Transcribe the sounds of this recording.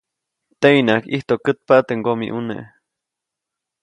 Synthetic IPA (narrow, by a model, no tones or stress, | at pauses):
t̪einakḭht̪oʔkət̪̚paʔt̪eʔŋɡomḭʔunḛʔ